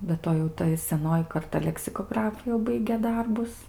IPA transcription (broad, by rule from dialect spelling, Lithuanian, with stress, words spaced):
bʲɛ ˈtoː jɛʊ ˈtɐ ɪ sʲɛˈnoːjɪ kɐrˈtɐ lʲɛksʲɪkoːˈɡrɑːfʊ jɛʊ ˈbɐɪɡʲeː ˈdɐrbʊs